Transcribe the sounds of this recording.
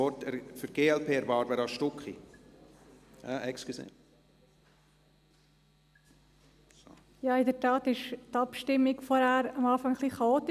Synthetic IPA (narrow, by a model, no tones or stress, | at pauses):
ɔtɛfyɾɡ̥eːɛlpʰeːɛɾvɑːtvɛːɾɑʃtʊkχi | ɛʔɛkskisḛ | jɑːɪdətɑːtɪʃtɑpʃtɪmːikfɔɾhæːɾɑmɑːfɑŋχliːχɑoːt̪ɪ